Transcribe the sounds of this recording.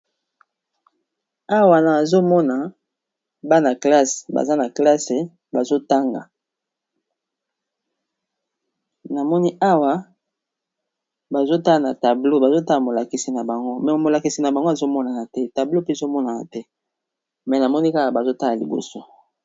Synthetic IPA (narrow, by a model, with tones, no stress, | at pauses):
a˦wa˨na˨zo˦mɔ˦na˨ | ba˦na˨kla˦sba̰˨za˦na˨kla˦se˨ | ba˨zo˦ta˦ŋɡa̰˨ | na˨mɔ˦ni˦a˦wa˦ | ba˨zo˦ta˦a˨na˨ta˨blo˦ba˨zo˦ta˦la˨mo˨la˨ki˨si˨na˨ba˨ŋɡo˦mɛ˨mo˨la˨ki˨si˨na˨ba˨ŋɡo˦a˨zo˦mɔ˦na˨na˨tɛ˦ta˨blo˦pe˦zo˦mɔ˦na˨na̰˨tɛ˦ | mɛ˨na˨mɔ˦ni˦ka˦ka˨ba˨zo˦ta˦la˨lḭ˨bo̰˨so˦